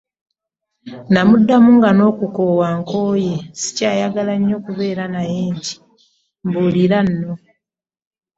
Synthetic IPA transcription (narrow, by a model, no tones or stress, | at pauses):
namudːamuŋɡano̞ːkukoːwaŋko̞ːjesi̥caːjaɡalaɲːo̞ːkuβe̞ːɾanajeːɲɟi̥ | mbuliɾanːo